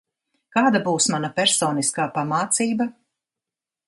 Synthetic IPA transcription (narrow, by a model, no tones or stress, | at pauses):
kaːd̪abuːsmanapʲɛɾsoːniskaːpamaːt̪siːba